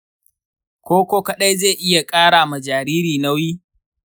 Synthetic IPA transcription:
kʷoː˦kʷoː˦kɐ˨ɗa˦jzeː˦˨ʔɪ˦ja˨kʼaː˦ɽaː˨mɐ˨d͡ʒaː˨ɾiː˦ɾiː˨na˦wiː˦

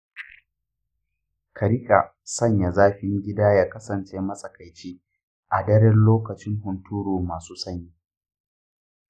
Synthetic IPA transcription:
kʰɐ˨ɾɪ˦kʼa˨ | sɐ˦ɲja˨zaː˦ɸɪ˦ŋɡʲɪ˦daː˦jaː˦kɐ˦sɐ˨nt͡ʃeː˦mɐ˦sʼɐ˨ka˨jt͡ʃiː˦ | ʔa˨dɐ˦ɽɛ˦nloː˦kɐ˨t͡ʃɪ˦ŋɦʊ˨ntuː˦ɽoː˨maː˨suː˦sɐ˦ɲiː˦

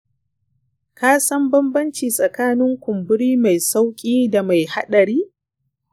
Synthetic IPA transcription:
kaː˦sɐ˦mbɐ˦mbɐ˦nt͡ʃiː˨sʼɐ˨kaː˦nɪ˦ŋkʷʊ˨mbʊ˦ɽiː˦ma˨jsa˦wkʲʼiː˦da˨ma˨jha˦ɗɐ˨ɾiː˦

